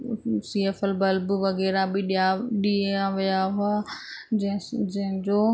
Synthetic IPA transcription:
siːeːfɛlbɐlbʋɐɣɛːɾabɪɗjaɗiːaʋijaɦʊã | d͡ʑɐ̃ɦɪ̃d͡ʑoː

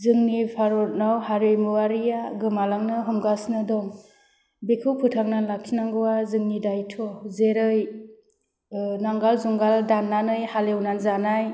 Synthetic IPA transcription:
zɯŋnipʰaɾɔɾnawhaɾɯjmuwaɾijaɡɯmalaŋnɯɦɔmɡasnɯdɔŋ | bikʰɯwpʰɯtʰaŋnanlak̚kʰinaŋɡɯwazɯŋnidajtʰɔzeɾɯj | naŋɡalzuŋɡaldanːanɯjhalewnanzanaj

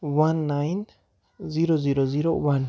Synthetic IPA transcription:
wanːajn | ziɾoziɾoziɾowan

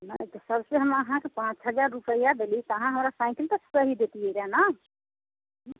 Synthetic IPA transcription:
nət̪ɔsəbseɦəməɦãkepãt͡ʃɦəd͡ʒaɾːupəjad̪elit̪ɦãɦəmɾasaɪkəlt̪əssəɦid̪et̪ieɾana

